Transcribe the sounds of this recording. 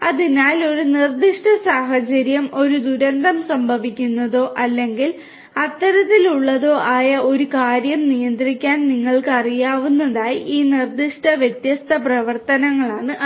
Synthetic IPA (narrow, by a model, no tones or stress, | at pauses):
ɐðinaːlo̞ɾunird̪iʂʈɐsaːɦɐt͡ɕɐɾjɐmo̞ɾud̪uɾɐnd̪ʱɐmsɐmbʱɐʋikʲːunːɐðo̞ːʔɐlːe̞ŋɡil | ɐt̪ːɐɾɐt̪ːiluɭːɐðo̞ːʔaːjɐʔo̞ɾukaːɾjɐmnijɐnd̪rikʲːaːnniŋːɐɭkɨɐrijaːʋunːɐðaːjiʔiːnird̪iʂʈɐʋjɐt̪jɐst̪ʰɐprɐʋɐrt̪ɐnɐŋːɐɭaːɳɨʔ